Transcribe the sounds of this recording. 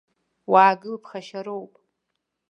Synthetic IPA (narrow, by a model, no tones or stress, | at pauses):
waːɡɨlpʰχaʃaɾowpʼ